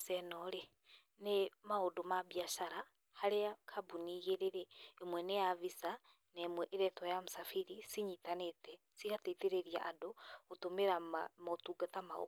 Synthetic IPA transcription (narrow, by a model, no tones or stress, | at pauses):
sɛnɔɾe | nemaodomabiaʃaɾa | haɾeakʰabuniɣeɾeɾeːmwɛnejaβisa | nɛmwɛʔeɾɛtwajamusafiɾisiɲitanetɛ | sikateteɾeɾia̰ʔadootomeɾamotuɡatamao̰